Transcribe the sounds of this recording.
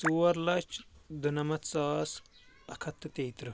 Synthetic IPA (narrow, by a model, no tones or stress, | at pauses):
suːʋɐɾlɐt͡ʃʰd̪unɐmɐt̪t͡sɐːs | ɐkʰɐt̪ːɨt̪eːt̪ɾɨ